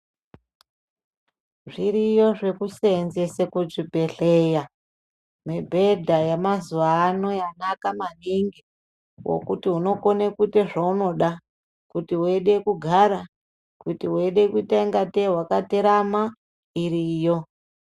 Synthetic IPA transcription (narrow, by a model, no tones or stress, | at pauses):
ʐiɾijo̞ʐe̞kuseːnzesekuʐibʱe̞ɬeja | mebʱe̞dʱajamazuʋaːno̞janakamaniŋɡi | wo̰kutiuno̞ko̞nekuteʐauno̞ɗa | kutiueɗe̞kuɡʱaɾa | kutieɗe̞kuitaiŋɡatewakateɾama | iɾiːjo̞